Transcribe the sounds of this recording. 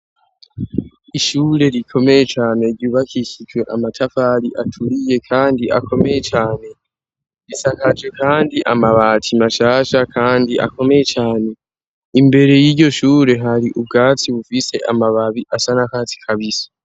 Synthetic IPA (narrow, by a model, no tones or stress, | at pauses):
iʃuːɾe̞ɾikʰo̞me̞je̞t͡ʃaːne̞ɾɟuːβakʰicid͡ʒwe̞ʔamatʰafaɾiʔatʰuɾije̞kʰaːndiʔa̰kʰo̞me̞je̞t͡ʃaːne̞ | ɾisakad͡ʒɡe̞kaːndiʔamaβatʰimaʃaːʃakʰaːndiʔa̰ko̞me̞jet͡ʃaːne̞ | imbe̞ɾe̞jiɾɟo̞ʃuːɾe̞ɦaɾiʔub̚ɡaːt͡siβufise̞ʔamaβaβiʔasanakaːti̥kʰaβisḁ